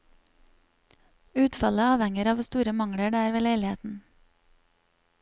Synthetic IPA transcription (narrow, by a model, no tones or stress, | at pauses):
ʉːt̪fɑləɑːʋhɛŋəɾɑːʋst̪uːɾəmɑŋɽəɖeːæːɾʋeːleɪlɪheːt̪n̩